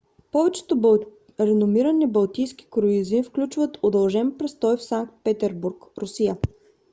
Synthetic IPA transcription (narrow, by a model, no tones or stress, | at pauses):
pɔvɛt͡ʃɛ̥t̪ob | ɾɛnomiɾənɛbɐlˠt̪ijsk̟i̥kɾʊizifklʲut͡ʃvət̪od̪ɐlˠʒɛnpɾɛst̪ɔjfsaŋk̚t̪̚pɛt̪ɛɾbuɾkɾʔʊsijə